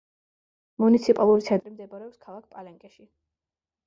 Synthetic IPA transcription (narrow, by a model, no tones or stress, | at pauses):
munit̪sʰipʼalˠuɾit̪sʰɛnt̪ʼɾimd̪ɛbɔɾɛɔpskʰalˠak̚ʰpʼalɛŋkʼɛʃi